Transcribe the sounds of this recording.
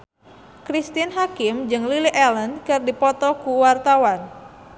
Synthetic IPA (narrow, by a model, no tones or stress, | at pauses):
kɾist̪inɦakɪmd͡ʒɨŋliliʔɛlənkɨrdipɔt̪ɔkuwart̪awan